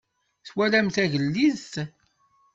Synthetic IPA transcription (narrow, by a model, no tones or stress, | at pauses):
θwælæmθæʝəlːiðt̪